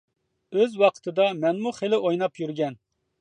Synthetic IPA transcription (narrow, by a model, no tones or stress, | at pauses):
øzwɑqʰə̥t̪ʰɨd̪ɑmɛnmuχelɪʔojnɑpjyɾɡʲɛn